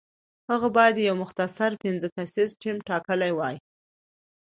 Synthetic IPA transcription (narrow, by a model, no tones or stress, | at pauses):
həɣabɑjad̪jawmʊxt̪asaɾpɪnzəkasizʈʰimʈɑkəlajwɑj